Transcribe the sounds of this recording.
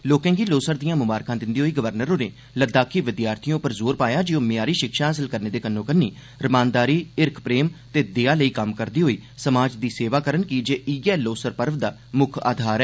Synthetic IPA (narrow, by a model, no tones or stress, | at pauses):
loːkɛ̃ːɡiːloːsəɾd̪ijãːmʊbaːɾkãːd̪ɪnd̪iːɦoːiːɡəʋəɾnəɾoːneː | ləd̪aːkʰiːʋɪd̪jaːɾt̪ʰijõːpəɾzoːɾpaːjaːd͡ʒiõːmɪjaːɾiːʃɪkʃaːɦəs̬əlkəɾneːd̪eːkənːõːkənːḭː | ɾəmaːnd̪aːɾiːɪɾkʰpɾeːmt̪eːd̪ɪaːləiːkəmkəɾd̪iːɦoːiːsəmaːd͡ʒd̪iːseːʋaːkəɾənkiːd͡ʒeːʔiɡɛːloːsəɾpəɾʋd̪aː | mʊkʰa̰ːd̪ʱaːɾɛː